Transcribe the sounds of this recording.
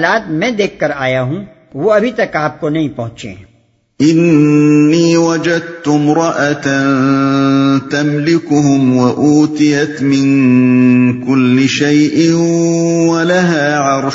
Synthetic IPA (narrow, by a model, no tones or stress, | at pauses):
laːt̪mɛ̃ːd̪eːkʰkːɐɾaːjaɦũ | ʋoɐbʱit̪ɐkaːp̚konɐɦĩpɐɦʊ̃t͡ʃḛ̃ | ʔɪnː | iːwɐd͡ʒɐd̪̚t̪ʊmɾˤɑʔat̪an | t̪ɐmlɪkʊɦʊmwɐʔuːt̪ɪjɐt̪mɪ̃n | kʊlːɪʃajʔɪ | walaɦaːʕɑɾˤʃ